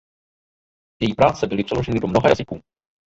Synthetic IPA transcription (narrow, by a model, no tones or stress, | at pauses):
jɛjiːpɾaːt͡sɛbɪlɪpr̥ɛlo̞ʒɛnɪdomnoɦaja̰zɪkuː